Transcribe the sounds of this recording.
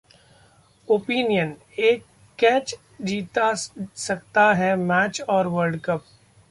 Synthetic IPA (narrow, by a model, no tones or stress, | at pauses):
oːpiːnijən | eːkː | ɛːt͡ʃ | d͡ʒiːt̪asɐkt̪aɦɛmɛːt͡ʃɔːɾʋəɾɖkəp̚